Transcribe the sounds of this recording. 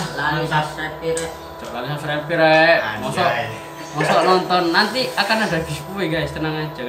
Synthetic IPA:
laluaɛpiɾ | t̪ɔlalusapsɾɛpiɾɛmɔsɔ | mɔsɔʔnɔnt̪ɔnːant̪iakanadaɡispuwiɡajst̪ənaŋad͡ʒaɡ

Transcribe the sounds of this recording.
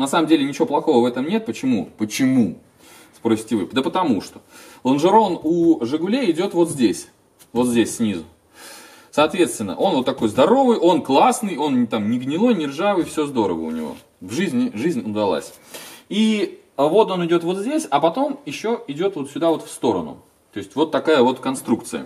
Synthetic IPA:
nɐsaməmdʲelʲɪnʲɪt͡ɕɪvoplˠɐxo̞vəvɛt̪əmnʲe̞t̪̚pət͡ɕɪmupət͡ɕɪmu | spɾosʲɪ̥tʲɪvɨd̪əpət̪ɐmuʂt̪o̞̥lˠənʐɨɾo̞nuʐɨɡʊlʲeɪdʲo̞t̪vo̞t̪zʲdʲesʲ | vo̞t̪zʲdʲesʲsʲnʲizʊ | sɐːt̪vʲe̞t̪st̪vʲɪnːə̰ʔo̞nvo̞t̪ːɐko̞jzd̪ɐɾo̞vɨjʔo̞nklˠasnɨjo̞nt̪amnʲɪɡnʲɪlˠo̞jnʲɪrʐavɨjfsʲozd̪o̞ɾə̰və̰ʊ̰nʲɪ̰vo̰ | vʐɨzʲnʲɪʐɨzʲnʲʊd̪ɐlˠa̰sʲ | i | vo̞t̪o̞nɪdʲo̞t̪vo̞t̪zʲdʲesʲɐpɐt̪o̞mjɪɕːo̞ɪdʲo̞t̪vo̞t̪sʲʊd̪avo̞t̪fst̪o̞ɾə̰nʊ̰ | t̪o̞ɪsʲtʲvo̞t̪ːɐkajəvo̞t̪kɐnst̪ɾuk̚t̪sɨjə̰

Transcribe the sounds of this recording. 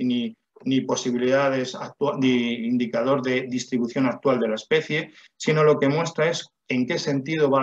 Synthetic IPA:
ni | nipo̞siβiliðað̞e̞sa̰k̚t̪wad̪eind̪ikað̞o̞ɾðe̞ðist̪ɾiβuθjo̞nak̚t̪wald̪e̞laespe̞θje̞ | sino̞lo̞ke̞mwe̞st̪ɾae̞s | e̞ŋke̞se̞nt̪ið̞oβa

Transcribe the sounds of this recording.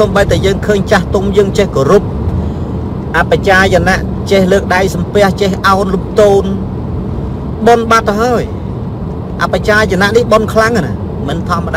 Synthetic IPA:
omɓəjt̪ajəːŋkʰəːɲt͡ɕaht̪umjəːŋt͡ɕehkorup̚ | ʔapːat͡ɕaːjanaʔ | t͡ɕehləːk̚ɗajsɑmpɛ̆əht͡ɕehʔaɔnlup̚t̪oːn | ɓonɓat̪ɦaəj | ʔa̰pːat͡ɕaːjanaʔnihɓonkʰlaŋana | mɨnt̪ʰɑmːəɗa

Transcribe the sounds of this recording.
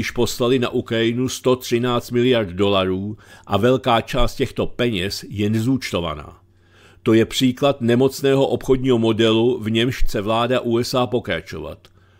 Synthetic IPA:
ɪʃpo̞slalɪna̰ʔukɾajɪnust̪o̞t̪r̝̥ɪnaːt͡st̪mɪlɪjaɾt̪do̞laɾuːʔavɛlkaːt͡ʃaːst̪cɛxt̪o̞pɛɲɛsjɛnɛzuːt͡ʃt̪o̞va̰na̰ː | t̪o̞jɛpr̝̥iːklat̪nɛmo̞t͡snɛːɦo̞ʔo̞pxo̞dɲiːɦo̞mo̞dɛluvɲɛmʃxt͡sɛvlaːdaʔuːɛsʔaːpo̞kɾa̰t͡ʃo̞̰va̰t̪

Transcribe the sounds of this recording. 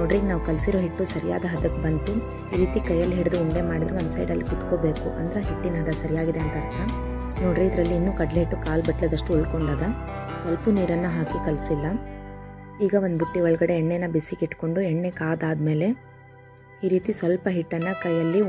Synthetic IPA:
noːɖriːɡenaːʋkɐlsiɾoːɦiʈːusɐɾija̰ːd̪ɐɦɐd̪ɐkbɐnt̪u | iːɾiːt̪ikɐjɐlːiɦiɽid̪uuɳɖemaːɽid̪ɾuʋɐnd̪sɐ̰jɖɐlːikut̪koːbe̞ːkuʔɐ̰nd̪ɾɐɦiʈːinɐd̪ɐsɐɾijaːɡid̪eɐnt̪ɐɾt̪ʰa | noːɖrɾiid̪ɾɐlːiːnːuːkɐɖleɦiʈːukaːlbɐʈled̪ɐʂʈuuɭko̞ɳɖaːd̪ɐsʋɐlpuniːɾɐnːɐɦaːkikɐlsilːɐ | iːɡɐʋond̪biʈːiɔɭɡɐɽe̞ɛɳːenːɐbisiɡiʈːko̞ɳɖuɛɳːe̞kaːd̪aːd̪me̞ːle̞ | iːɾiːt̪isʋɐlpɐɦiʈːɐnːɐkɐjɐlːi

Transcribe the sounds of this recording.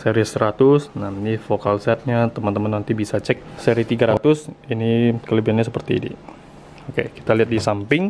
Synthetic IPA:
seɾisɾat̪ʊsnanifokalsɛt̪̚ɲat̪əmant̪əmanːant̪ibisat͡ʃɛk̚seɾit̪iɡaɾat̪ʊsinikələbiɾanɲas̬əpərt̪ḭːnḭ | okḛki̥t̪aliɦat̪̚disampɪŋ

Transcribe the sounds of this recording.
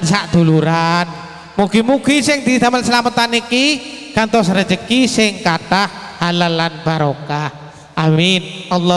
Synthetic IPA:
nsaʔd̪̥uluɾan | muɡ̥imuɡ̥isɪŋd̪it̪amənsəlamət̪anikikant̪ɔsɾəd͡ʒəkisɪŋkaʈah | halalanbaɾoka | ʔaminɑlːɔ

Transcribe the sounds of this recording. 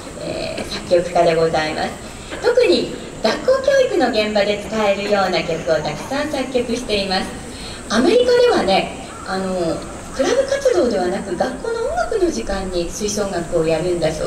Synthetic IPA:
ḛːsakʲːo̞kɯ̟̥kad̪e̞ɡo̞zaimʔa̰sɨ̥ | t̪o̞kɯ̟ɲ̟i | ɡ̥akːo̞ːkʲo̞ːikɯ̟no̞ɡẽ̞mbad̪e̞t͡sɨ̥kae̞ɾɯ̟jo̞ːnakʲokɯ̟o̞t̪akɯ̟̥sãɰ̃sakʲːokɯ̟ɕi̥t̪e̞imasɨ̥ | ame̞ɾʲikad̪e̞βane̞ | ano̞ | kɯ̟ɾabɯ̟kat͡sɨd̪o̞ːd̪e̞β̞anakɯ̟ɡakːo̞ːno̞õŋɡakɯ̟no̞ʑikãɲ̟ːisɨiso̞ːŋakɯ̟o̞jaɾɯ̟̃nd̪azo̰

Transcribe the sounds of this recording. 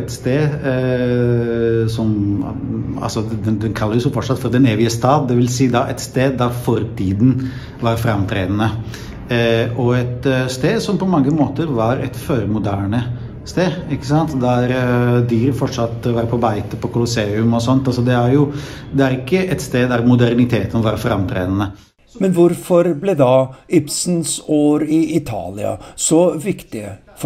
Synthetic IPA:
ɛt̪st̪eːd̪ | sɔm | ɑ̰lsɔd̪ɛnd̪ɛnkʰɑlːəɾjʊsʊfɔʈːʂɑt̪ːfɔɾd̪ɛneːʋɪəst̪ɑːd̪d̪ɛʋɪlsiːəd̪ɑʔɛt̪st̪eːd̪ːɑɾfɔɾt̪ʰiːd̪n̩ | ʋɑɾfɾɑmt̪ʰɾḛːd̪ənə | ʔɔɛt̪st̪eːd̪sɔmpɔmɑŋːəmoːt̪əɾʋɑɾɛ̰t̪føːɾmʊd̪æːɳə | st̪eːd̪ɪkːəsɑnt̪d̪æɾd̪yːɾfɔʈʂɑt̪ːʋɑɾpʰɔbæɪt̪əpɔkʰʊlʊseːʉmɔsɔnt̪ɑlsɔd̪ɛæɾjʊ | d̪ɛæɾɪkːəʔɛt̪st̪eːd̪d̪æɾmʊd̪æɾnɪt̪ʰeːt̪ənʋɑɾfɾɑ̰mt̪ʰɾḛːd̪ənə | mɛnʋʊɾfɔɾblɛd̪ɑɪpsn̩soːɾɪɪt̪ʰɑ̰ːlɪ̰ɑ̰sɔʋɪkt̪ɪ̰ | f

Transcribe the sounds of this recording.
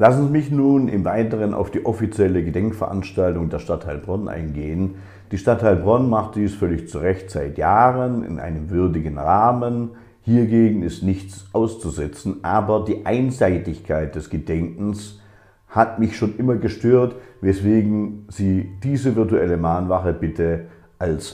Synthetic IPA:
lasn̩zimɪçnuːnɪ̰mvaɪtəʁənʔa̰ʊfd̥iːʔɔfit͡sjɛləɡədɛŋkfɛɐʔa̰nʃtaltʊŋdeːɐʃtatʰaɪlbʁɔnʔa̰ɪnɡeːən | d̥iːʃtatʰːaɪlbʁɔnmaχtd̥iːsfœlɪçt͡suʁɛçtz̥aɪtjaːʁənɪ̰nʔa̰ɪnəmvʏɐdɪɡən̩ʁaːmən | hiːɐɡeːɡŋ̩ɪstnɪçt͡sʔaʊst͡suzɛt͡sn̩ʔaːbɐdiːʔaɪnzaɪtɪçkʰaɪt̚d̥ɛsɡ̥ədɛŋkn̩s | hatmɪçʃoːnʔɪmɐɡəʃtøːɐtvɛsv̥eːɡŋ̩z̥iːd̥iːzəvɪɐtuɛləmaːnvaχəbɪtʰə | ʔals

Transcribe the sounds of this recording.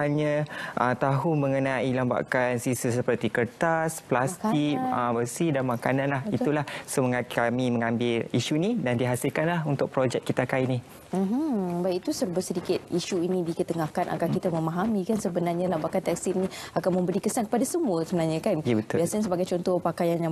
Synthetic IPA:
haɲaʔə̰t̪aɦʊŋməŋənailamba̰ʔkansisəsəpərt̪ikərt̪asplast̪ikə̰bəsihdanmakanãnlaɦiulahsoməŋakamiməŋãmbɪliʃunidandiɦasilkanlahunt̪ʊk̚pɾod͡ʒɛk̚kːit̪akaini | m̩ɦ̩bajʔit̪usərbəsədikɪt̪̚iʃuinĩdikət̪əŋahkanʔa̰ɡalkit̪aməmaɦamikansəbənarɲalambaʔkant̪ɛk̚stinĩakanmə̃mbəɾikəsankə̥padasəmuəsəbənarɲakanbət̪ʊiasaɲasəbaɡajt͡ʃɔnt̪ɔpakajanja

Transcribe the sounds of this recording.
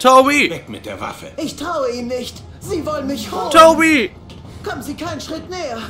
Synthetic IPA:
tʰobivɛkmɪt̚d̥eːɐva̰fə̰ɪçtʁ̥aʊəiːnnɪçt | ziːvɔlənmɪçhotʰobi | kʰɔmənziːkʰaɪnənʃʁ̥ɪtnɛːɐ

